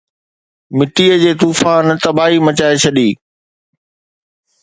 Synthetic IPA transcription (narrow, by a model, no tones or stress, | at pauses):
mɪʈiːəd͡ʑeːt̪uːfãːnt̪ɐbaːimɐt͡ɕaːet͡ɕʰɐɗiː